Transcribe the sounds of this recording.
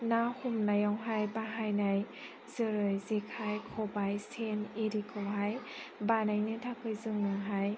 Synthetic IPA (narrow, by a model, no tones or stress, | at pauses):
nahumnajawɦajbaɦajnaj | z̥ɯɾɯjzekʰajkʰɔbajsʰeneɾikʰɯwɦaj | banajnɯtʰakʰɯjzɯŋnaɦaj